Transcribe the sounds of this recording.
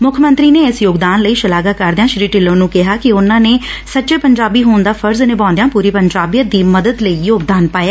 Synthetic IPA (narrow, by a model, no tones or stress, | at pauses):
mʊkʰmə̃nt̪ɾiːneːɪsjoːɡd̪aːnləiːʃəlaːɡaːkəɾd̪ejãːʃɾiːʈɪlːõːnũːkɪɦaːkɪʊnãːneːsətːt͡ʃeːpəɲd͡ʒaːbiːɦoːnd̪aːpʰəɾznẽːbãːnd̪ejãːpuːɾiːpəɲd͡ʒaːbijəd̪iːməd̪əd̪ləiːjoːɡd̪aːnpaːeː